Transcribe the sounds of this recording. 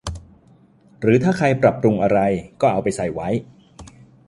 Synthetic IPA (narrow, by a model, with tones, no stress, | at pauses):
ɾɯː˩˦t̪ʰaː˥˩kʰa˧jpɾa˨˩pɾu˧ŋʔa˧ɾa˧jkɔː˥˩ʔa˧wpa˧jsa˨˩jwa˦˥j